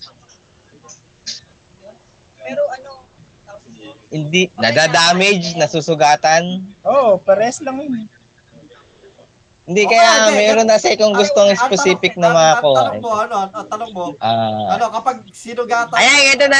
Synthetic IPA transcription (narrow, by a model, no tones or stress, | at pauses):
mɛɾoʔɐno | hɪnd̪inɐd̪aːd̪aːmɛd͡ʒnɐsusʊɡaːt̪ɐnʔoʔpɛɾɛslɐmɪn | hɪnd̪ikɐjamɛːɾonɐɐsɛkoŋɡʊst̪oŋɪspɛsiːpɪk̚nɐmɐɐoɐnoɐt̪ɐnoŋmoʔaɐnokɐpɐɡ̚sinʊɡaɐjaŋɛt̪onɐ